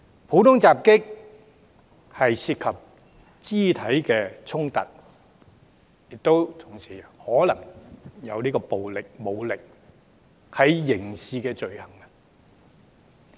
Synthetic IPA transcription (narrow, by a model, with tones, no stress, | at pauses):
pʰo˨˥t̪ʊ˥ŋt͡saː˨p̚kɪ˥k̚ | hɐ˨jsiː˧t̚kʰɐ˨p̚ | t͡siː˥t̪ʰɐ˨˥jkɛː˧t͡sʰʊ˥ŋt̪ɐ̰˨t̚ | jɪ˨k̚t̪o˥wt̪ʰʊ˨˩ŋsiː˨˩hɔː˨˥lɐ˨˩ŋjɐ˨˧wniː˥kɔː˧po˨wlɪ˨k̚mo˨˧wlɪ˨k̚ | hɐ˨jːɪ˨˩ŋsiː˨˧kɛː˧t͡ʃɵ˨ɥhɐ˨˩ŋɐ˧